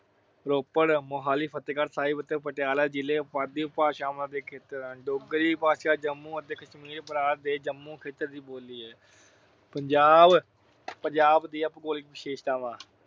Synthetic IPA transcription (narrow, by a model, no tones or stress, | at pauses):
ɾoːpəɽmoːɦaːliːpʰət̪eːkəɾsaːiːbət̪ːepəʈjaːlaːd͡ʒɪleːpaːd̪iːpaːʃaːmlãːd̪eːkʰeːt̪əɾ̃ɖoːɡəɾiːpaːʃaːd͡ʒəmːũːət̪eːkʰəʃmiːɾpəɾaːɾd̪eːd͡ʒəmːũːkʰeːt̪ːəɾd̪iːboːliːɛː | pəɲd͡ʒaːb | pəɲd͡ʒaːbd̪iːəpkoːlɪkbɪʃeːʃt̪aːʋãː